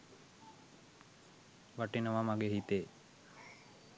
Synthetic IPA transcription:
ʋaʈinəʋamaɡeɦit̪eː

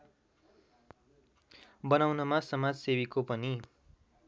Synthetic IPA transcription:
bʌnawnʌmasʌmad͡zsebikopʌni

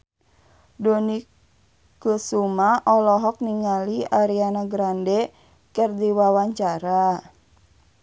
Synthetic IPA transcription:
dɔni | kusumaʔɔlɔɦɔk̚niŋaliaɾianaɡɾandɛ | kərdiwawaɲt͡ʃaɾa

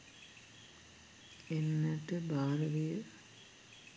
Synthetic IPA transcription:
enːəʈəbaːɾəʋijə

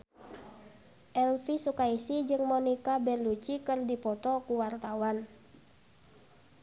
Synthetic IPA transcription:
ʔɛlfisukaisid͡ʒɨŋmɔnikabɛrlut͡ʃikɨrdipɔt̪ɔkuwart̪awan

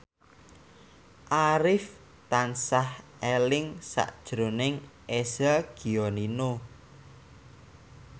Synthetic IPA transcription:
ʔaɾɪf | t̪ansahʔelɪŋsa̰ʔd̥ʒ̥ɾo̤nɪŋʔesaɡ̥i̤ɔnino

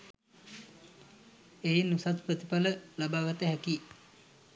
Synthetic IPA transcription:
einːusat̪pət̪ipaləlabaɡat̪eɦəkiʔ

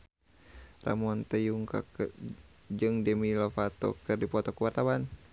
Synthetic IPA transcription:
ra̰mɔnt̪əjuŋka̰k | d͡ʒɨŋdəmilofat̪ɔ̰kɨrdipɔt̪ɔkuwart̪awan

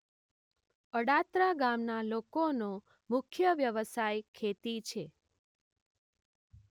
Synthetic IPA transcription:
əɽat̪ɾaɡamnalokono | mʊkʰjəʋjəʋəsajkʰet̪it͡ʃʰe

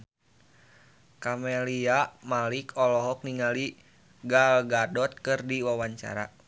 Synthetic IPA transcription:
kamɛliamalikʰɔlɔɦɔk̚niŋali | ɡalɡadɔt̪̚kɨrdiwawaɲt͡ʃa̰ɾa̰

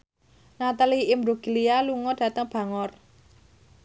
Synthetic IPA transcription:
nat̪aliɪmbɾuɡ̥ilialuŋɔd̥ä̤t̪əŋb̥ä̤ŋɔr

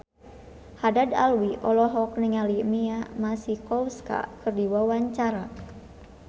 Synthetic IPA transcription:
hadada̰lwiʔɔlɔɦɔk̚niŋalimiamasihkɔwska̰kɨrdiwawaɲt͡ʃaɾa

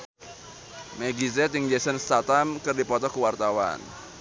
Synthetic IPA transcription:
meɡizɛt̪ɪŋd͡ʒɛsənst̪at̪amkɨrdipɔt̪ɔkuwart̪awa̰n

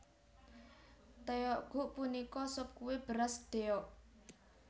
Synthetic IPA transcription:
t̪eɔʔɡ̥ṳʔpunikɔsɔp̚kuweb̥əɾasd̪̥e̤ɔʔ

